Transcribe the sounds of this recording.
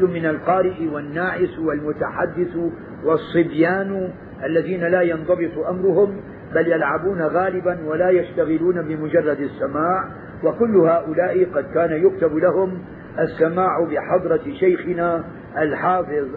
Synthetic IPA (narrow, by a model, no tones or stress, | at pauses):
ʊmɪnalqɑːɾɪʔɪwanːaːʕɪswalmʊt̪aħad̪ːɪθ | wɑsˤːɨbjaːn | ʔalːaðiːnalaːjɑnd̪ˤɑbɨt̪ˤuʔamɾʊhʊm | baljalʕabuːnaɣaːlɪbanwalaːjaʃt̪aɣɪluːnabɪmʊd͡ʒɑrˤːɑd̪asːamaːʕ | wakʊlːʊhaːʔʊlaːʔɪqɑd̪kaːnajʊk̚t̪ablahʊm | ʔasːamaːʕʊbɪħɑd̪ˤɾˤɑʃajxɪnaː | ʔalħɑːfɪðˤ